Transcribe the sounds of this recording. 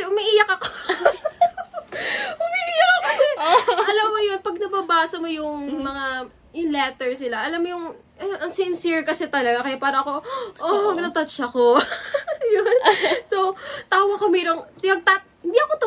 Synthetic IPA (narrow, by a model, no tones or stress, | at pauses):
ɛʔʊmɪʔijɐkɐko | ʊmɪʔijɐkːokɐsɛʔɐlɐmːojonpɐɡ̚nɐbɐbaːsɐmojʊŋmɐŋa | jʊŋlɛt̪ɛɹsɪlaʔɐlamːojʊŋ | ʔɐɐŋsɪnsiɹkɐsɛt̪ɐlɐɡakɐjapaːɾɐɐko̞ʔoɐɡnɐt̪ɐt͡ʃɐko | jonsot̪aːwɐkomɛːɾoŋt̪ɪjɐɡ̚t̪a | ɪnd̪iʔɐkot̪ʊ